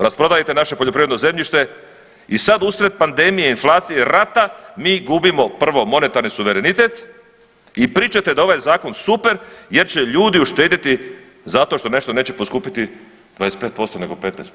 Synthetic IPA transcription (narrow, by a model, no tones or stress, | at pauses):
ɾaspɾo̞d̪ajit̪e̞naʃepoʎopɾiːʋed̪noze̞mʎiʃt̪e̞ | isad̪usɾe̞t̪̚pand̪e̞mijeinflˠaːt̪sijeɾat̪amiːɡubimo̞pr̩ʋo̞mo̞ne̞t̪aɾnisuʋeɾenit̪e̞t̪ | ipɾiːt͡ʃat̪e̞d̪ao̞ʋajezaːko̞nsupe̞ɾje̞ɾt͡ɕe̞ʎuːd̪iuʃt̪e̞ːd̪it̪i | zat̪o̞ʃt̪o̞ne̞ʃt̪o̞ne̞ːt͡ɕe̞poskuːpit̪i | d̪ʋaːjes̚pe̞ːt̪̚po̞st̪o̞ne̞ɡo̞pe̞t̪nḛst̪